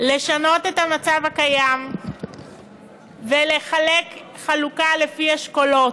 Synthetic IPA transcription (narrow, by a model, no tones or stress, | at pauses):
le̞ʃano̞tet̪amat͡savakajam | vele̞χalekχalukale̞fiaʃko̞lo̞t